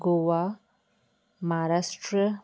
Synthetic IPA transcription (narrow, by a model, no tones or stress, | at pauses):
ɡoʋa | maɾasʈɾə